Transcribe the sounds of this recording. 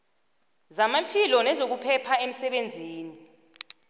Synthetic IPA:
zamapʰilɔnɛzok̬upʰɛpʰaem̩sɛɓend͡zʱiːni

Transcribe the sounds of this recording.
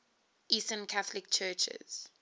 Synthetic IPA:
ʔistə̃nkʰaθlɪk̚t͡ʃʰɜːt͡ʃɛ̰z̥

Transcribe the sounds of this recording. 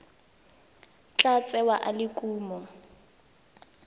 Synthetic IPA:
t͡ɬat͡sʼɛwaʔalɪkʼuːmɔ

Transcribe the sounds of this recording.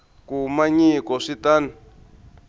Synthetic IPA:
kumaɲikɔʂitanu

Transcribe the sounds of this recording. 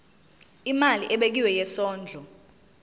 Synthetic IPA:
imaliʔɛɓek̬iwɛjɛsɔːnd͡ɮʱɔ

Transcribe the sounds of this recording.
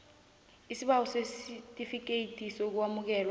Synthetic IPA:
isiɓawɔsesitʼifik̬eitʰʼisok̬uwamuk̬ɛːlwa

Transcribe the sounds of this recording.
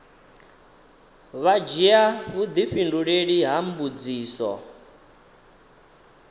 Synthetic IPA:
βad͡ʒiaβud̪iɸinduɺeɺiɦambud͡ziːsɔ̰

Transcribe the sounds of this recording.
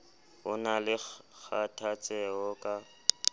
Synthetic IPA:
ʊnalɪk͡xʰatʰat͡sʼɛɔkʼa

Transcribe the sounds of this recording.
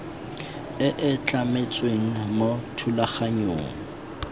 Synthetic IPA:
ɪʔɪt͡ɬʼamet͡sʼweŋ̩motʰulaχaɲo̰ːŋ̩

